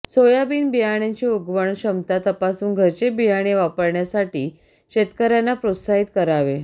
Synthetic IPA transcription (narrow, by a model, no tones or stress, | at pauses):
sojabiːnbijaɽ̃jaɲt͡ɕiːuɡʋəɳɕəmt̪at̪əpasuːnɡʱəɾt͡ɕebijaɽ̃eʋapəɾɳjasaʈiː | ɕet̪kəɾjanːapɾot̪saɦit̪kəɾaʋe